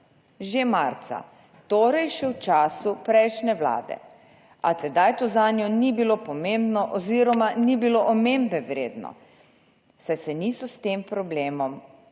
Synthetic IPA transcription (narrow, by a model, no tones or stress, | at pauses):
ʒemaɾt̪sa̰ | t̪oːɾajʃɛwt͡ʃaːsupɾɛjʃnɛwla̰ːd̪ɛ̰ | a̰t̪ɛd̪ajt̪ozaːnjɔnibilopɔmembnɔʔɔziɾɔmanibiloʔɔmembɛʋɾḛːd̪nɔ̰ | sajsɛniːsɔst̪empɾɔbleːmɔm